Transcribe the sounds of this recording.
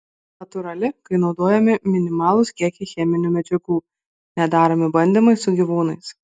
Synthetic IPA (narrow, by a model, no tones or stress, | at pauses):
nɐt̪ʊɾɐlʲɪkɐɪnɒʊd̪oːjɛmʲɪmʲɪnʲɪmɑːlˠʊskʲiɛkʲixʲɛmʲɪnʲuːmʲɛd͡ʒʲɛɡuː | nʲɛd̪ɑːɾomʲɪbɐnʲd̪ʲiˑmɐɪsʊɡʲiʋuːnɐɪs